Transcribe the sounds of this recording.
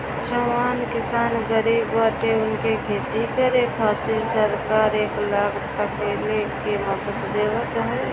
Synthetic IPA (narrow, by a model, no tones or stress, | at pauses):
ʃəmaːnkɪsaːnɡəɾiːbʋaːʈeʊnkekʰeːt̪ikəɾeːkʰːaːt̪ɪɾsəɾkaːɾeːklaːɡt̪akelekeməkət̪d̪eːʋət̪ɦɛ